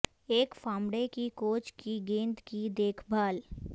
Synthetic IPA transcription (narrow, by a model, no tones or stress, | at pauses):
eːkfaːmɽekikoːt͡ʃkiɡẽːnd̪kid̪eːkʰbʱaːl